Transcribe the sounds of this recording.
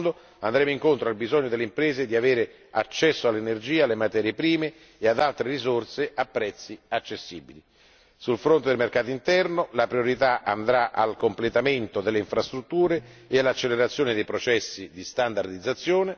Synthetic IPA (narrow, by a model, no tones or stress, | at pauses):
nd̪o | and̪ɾeːmoiŋkont̪ɾoalbizɔɲːod̪elːeimpɾeːzed̪iaveːɾe | at͡ʃːɛsːoalːenerd͡ʒiːalːemat̪ɛːɾjepɾiːmeː | ad̪alt̪ɾerizorseʔapːɾɛt̪sːiat͡ʃːesːiːbili | sulfɾont̪ed̪elmerkaːt̪oint̪ɛrnolapɾioɾit̪aʔa̰nd̪ɾaʔa̰lkomplet̪ament̪od̪elːeiɱfɾast̪ɾut̪ːuːɾeː | alːat͡ʃːeleɾat̪sːjoːned̪ejpɾot͡ʃɛsːid̪ist̪and̪ard̪id̪zːat̪sːjoːne